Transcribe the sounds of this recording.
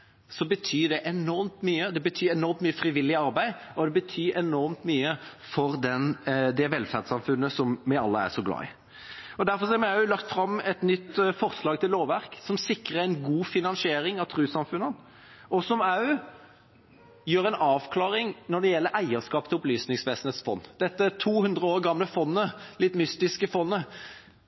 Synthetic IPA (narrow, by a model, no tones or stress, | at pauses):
sɔbət̪ʰyːɖ̪ɛʔɛnɔɾmt̪myːəd̪ɛbət̪ʰyːɛnɔɾmt̪myːəfɾɪʋɪlːɪɑɾbæɪɔd̪ɛbət̪ʰyːɾɛnɔɾmt̪myːəfɔɾd̪ɛnd̪ɛʋɛlfæʁd̪sɑmfʉnːəsɔmmɛɑ̰lːəæ̰ʂɔɡlɑ̰ːɪ̰ | ɔd̪æɾfɔɾsɔæɾmɪɑʉlɑkt̪fɾɑmːɛt̪nʏt̪ːfɔʁslɑːɡ̚t̪ʰɪlːoːʋʋæɾksɔmsɪkɾəɾæɪnɡuːfɪnɑnsɪeːɾɪŋɑʋt̪ʰɾʉːsɑmfʉnːən | ɔsɔmɑʉ | jøːɾɛɪnɑːʋkʰlɑːɾɪŋnɔɖ̪ɛjɛlːəɾæɪəskɑːpt̪ʰɪlʊplyːsnɪŋsʋeːsn̩heːt̪sfɔ̰nːd̪̥ɛt̪ːət̪ʰuːhʉnd̪ʁəoːʁɡɑmləfɔnːəlɪt̪ːmʏst̪ɪskəfɔnːə